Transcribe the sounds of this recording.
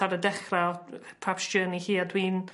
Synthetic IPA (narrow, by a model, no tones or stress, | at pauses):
aɾədɛχrapʰrapsd͡ʒəːnihiːadwiːn